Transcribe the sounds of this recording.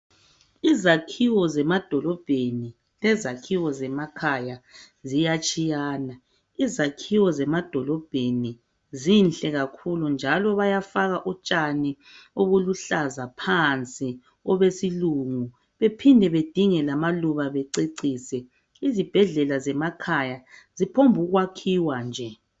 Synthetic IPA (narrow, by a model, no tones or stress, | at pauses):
izakʰiwɔzɛmad̥ʱɔlɔb̥ʱeni | lɛzakʰiwɔzɛmakʰaja | zijat͡ʃʼijaːna | izakʰiwɔzɛmad̥ʱɔlɔb̥ʱeni | zinɬʼɛɣakʰulund͡ʒʱalɔβajafaɣaʔɔt͡ʃʼani | oɣuluɬazapʰant͡sʼi | ɔβesiluŋu | βepʰindʱɛβed̥ʱiŋɛlamaluβaβɛǀeǀiːsɛ | izib̥ʱɛɮɛlazɛmakʰajazipʰombʱuɣwakʰiwand͡ʒʱɛ